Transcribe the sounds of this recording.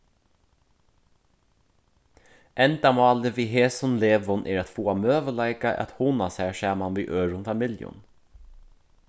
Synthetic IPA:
ʔɛnd̪ɑmɑːləʋiːɦeːsɔnleːʋʊnʔḛːɾɑt̪fuːɑmøːʋəlæɪkɑʔɑ̰t̪hunɑsæːʃæːmɑnʋḭːʔøːɹʊnfɑmɪljʊ̰n

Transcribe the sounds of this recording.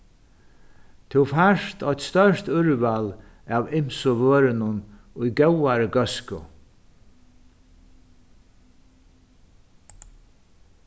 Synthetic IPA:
t̪ʰɪwfaʂt̪ʰɔjt̪st̪œrt̪ʏɹval | aːvɪm̥sʊʋøːɾɪnʊn | ʊjɡɛwaɾəɡœskʊ̰

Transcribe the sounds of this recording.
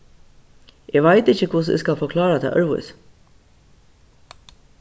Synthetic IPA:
ʔeːɡʋaɪt̪ɪçəkʰʊs̬ḛskɑlfɔkʰlɑːɾat̪ʰɛ̰ʔœɹʋʊ̰s

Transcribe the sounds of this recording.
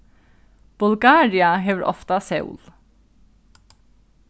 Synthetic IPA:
b̥ʉlɡɑːɹɪɑɦeːʋəɾʔɔ̰ft̪ɑsɛʉ̰l

